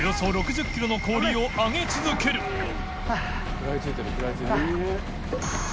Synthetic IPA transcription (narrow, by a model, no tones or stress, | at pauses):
josoːɾo̞kɯ̟ʑɨkʲːiɾo̞no̞ko̞ːɾʲiːo̞aŋe̞t͡sɨzɨke̞ɾɯ̟ | kɯ̟ɾait͡sɨt̪aɾikɯɾait͡sɨ